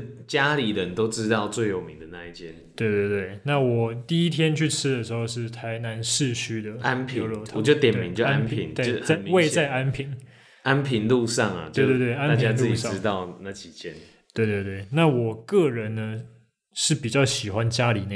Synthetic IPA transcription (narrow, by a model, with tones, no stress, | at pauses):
t͡ɕja˦˥li˨˩lə˧˦nt̪o˥ʊʈ͡ʂɻ̩˥t̪ɑ˥˧ʊt͡swe˥˩ɪjo˨˩ʊmi˨˦ŋd̪ə˨na˥˧i˥˩t͡ɕʰjɛ˦nt̪we˥˧ɪt̪we˥˧ɪt̪we˥˩ɪna˥˩wɔ˨˩t̪i˥˩i˦˥t̪ʰjɛ˦nt͡ɕʰy˥˩ʈ͡ʂ̩ʰ˥d̪ə˨ʂɻ̩˧˥xo˥˧ʊʂɻ̩˥˩t̪ʰa˧˦˥ɪna˧˦nʂɻ̩˥˨t͡ɕʰy˥d̪ə˨a˦npʰi˨˥˧lo˥˧˩t̪ʰɑ˨t͡ɕjo˥˧ʊt̪jɛ˨˩nemi˨˦ŋt͡ɕjo˥˧˥an˥npʰi˧˦ŋe˥˧a˥˧mwe˥˧ɪt͡sa˥˩ɪa˦˥npʰi˨˧˥n | ʔa˦npʰi˨˦˥nlu˥˧ʂɑ˥˩ŋɐ̰˨˩e˥˧t̪we˥˧t̪we˥˧ɪa˥na˥˨t͡ɕja˦˥t͡slɨ˥˨t͡ɕi˨ʂɑ˥˨˦t̪ɑ˥˧ʊna˥˩t͡ɕʰi˨˩t͡ɕjɛ˥˩n | t̪we˥˧ɪt̪we˥˧t̪we˥˩ɪna˥˩wɔ˨˩kɤ˥˩ɻə˨˦nnə˧ | ʂɻ̩˥˩pi˨˩t͡ɕjɑ˥˩ʊɕi˨˩xwa˦nt͡ɕja˦˥li˨˩na˥˧